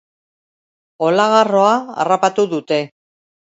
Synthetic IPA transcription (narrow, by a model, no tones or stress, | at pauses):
o̞laɣaro̞aa̰rapat̪uðut̪e̞